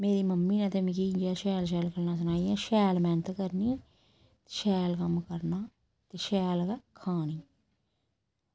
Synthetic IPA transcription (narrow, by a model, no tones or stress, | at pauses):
meːɾiːməmːiːnãːt̪eːmĩkiːd͡ʒaːʃɛːlʃ̬ɛːlkʰəɾnaːs̬ʊnaːijãːʃɛːlmɛ̃ːnt̪kəɾnĩː | t̪eʃɛːlkəmkəɾnaː | t̪eːʃɛːlkakʰaːniː